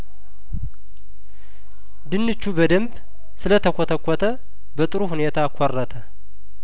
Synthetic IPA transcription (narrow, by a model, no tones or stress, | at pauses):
d̪ɨnːɨt͡ʃːubəd̪əmb | sɨlət̪ʰəkʰʷɔt̪ʰəkʷːɔt̪ʰə | bət̪ʼɨɾuhunet̪ʰakʷʰɔrːət̪ʰə